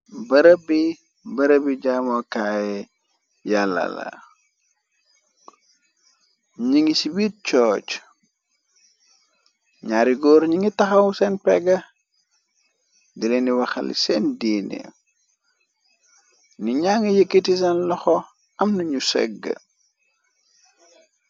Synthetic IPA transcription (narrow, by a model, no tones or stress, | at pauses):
bɐɾəbi | bɐɾəbiɟamɔkajɛ | jalːɐ̰lɐ̰ | ɲiŋisibit̚t͡ʃɔːt͡ʃ | ɲaɾiɡɔːɾɲiŋitɐxɐwsɛnpɛɡɐ | dileniwɐxɐ̰lḭsɛndiːnḛ | niɲaŋijəkːitis̬ɐnlɔxɔ | ɐmnɐɲusɛ̰ɡːə̰